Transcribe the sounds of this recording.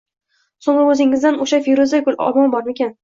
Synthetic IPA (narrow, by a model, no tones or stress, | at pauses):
soŋɾaɵzɪŋːɪzd̪anoʃafiɾozd̪akʰʊlɒ̰mɒmbɒɾmakʲan